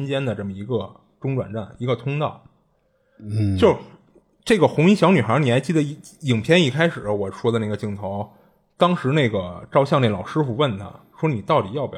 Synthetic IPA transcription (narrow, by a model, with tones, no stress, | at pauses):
nt͡ɕjɛ˥nd̪ə˨ʈ͡ʂə˥˩mə˩i˧˥ɡə˧ | ʈ͡ʂʊ˥ŋʈ͡ʂwa̰˨˩nʈ͡ʂa˥˩ni˧˥ɡə˧t̪ʰʊ˥ŋt̪ɑ˥˩ʊ | t͡ɕjo˥˩ʊ | ʈ͡ʂe˥˩ɡə˩xʊ˧˥ŋi˥˩ɕjɑ˧˥ny˨˩xə˧˥ni˨˩xa˧˥ɪt͡ɕi˥˩d̪ə˩i˥˩i˨˩ŋpʰjɛ˥ni˥˩kʰa˥ɪʂɻ̩˨˩ɐ˦wɔ˨˩ʂwɔ˥d̪ə˧na˥˩ɡə˩t͡ɕi˥˩ŋt̪ʰo˧˥ʊ | t̪ɑ˥ŋʂɻ̩˧˥ne˥˩ɡə˩ʈ͡ʂɑ˥˧ʊɕjɑ˥˧ŋne˥˩lɑ˨˩ʊʂɻ̩˥fu˧wə˥˩nt̪ʰa̰˥ʂwɔ˥ni˨˩t̪ɑ˥˩ʊt̪ḭ˨˩jɑ˥˩ʊpj